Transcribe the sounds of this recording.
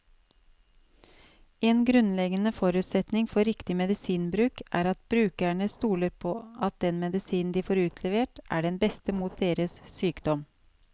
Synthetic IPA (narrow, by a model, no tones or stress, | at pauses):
eːnɡɾʉnlɛɡənəfɔɾʉːt̪sɛt̪nɪŋfɔɾɪkt̪ɪmɛd̪ɪsiːnbɾʉːkæ̰ːɾɑt̪bɾʉːkæɳəst̪uːləɾpʰɔːɑt̪̚d̪ɛnmɛd̪ɪsiːnn̩d̪iːfoːɾʉːt̪ʰlɛʋeːʈʔæ̰ɖɛnbɛst̪əmuːt̪̚d̪eːɾəssyːkd̪ɔm